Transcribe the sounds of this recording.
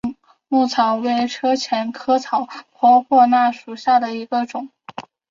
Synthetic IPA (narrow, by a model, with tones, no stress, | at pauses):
ŋ | mu˥˩t͡sʰɑ˨˩ʊwe˥˩ɪʈ͡ʂʰɤ˥t͡ɕʰjɛ˧˥nkʰɤ˥t͡sʰɑ˨˩ʊpʰwɔ˧˥pʰwɔ˥˧na˥˩ʂu˨˩ɕja˥˩d̪ə˩i˧˥ɡə˧ʈ͡ʂʊ˨˩˦ŋ